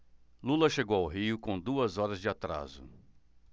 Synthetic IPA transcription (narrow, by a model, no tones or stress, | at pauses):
lulɐʃeɡowawɦiʊkõw̃d̪uɐzɔɾɐzd͡ʒɪat̪ɾa̰zʊ̰